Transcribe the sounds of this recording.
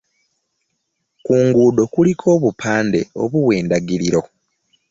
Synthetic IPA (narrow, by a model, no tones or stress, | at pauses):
kuːŋɡuːdo̞kulikʰo̞ːβupʰaːnde̞̰o̞̰βuwe̞ːndaɡiɾiɾo̞